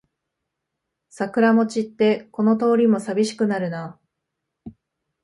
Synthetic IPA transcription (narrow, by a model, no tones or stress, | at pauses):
sakɯ̟ɾamo̞t͡ɕit̪ːe̞ko̞no̞t̪̬o̞ːɾʲimo̞sabʲiɕi̥kɯ̟naɾɯ̟na